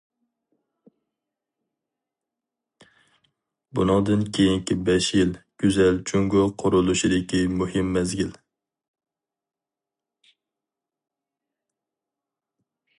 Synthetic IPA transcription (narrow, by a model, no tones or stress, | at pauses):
bunɨŋd̪ɨnkʲʰejiŋkʲibɛʃjilɡ̥ʲyzælt͡ʃʰuŋɡʊqʰʊɾʊlˠuʃid̪ɪkʲimuhɪmːɛzɡʲil